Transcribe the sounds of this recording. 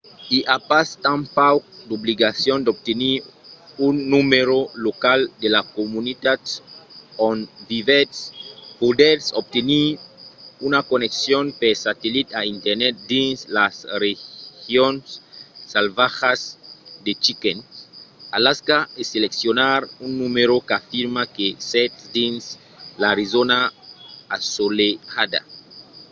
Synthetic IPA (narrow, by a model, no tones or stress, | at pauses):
iʔapast̪ãmpawk̚d̪obliɣasjond̪ob̚t̪eniɾunːumeɾolokald̪elakomunit̪at̪ | õnvivetspod̪eɾsob̚t̪eniɾunakoneksjonpeɾsat̪elit̪aint̪eɾnet̪̚d̪ĩnslasrexjonsːalvaxasd̪et͡ʃiken | alaskaeseleksjonaɾunːumeɾokafiɾmakesɛt̪d̪ins | laɾizona | asoleɣad̪a̰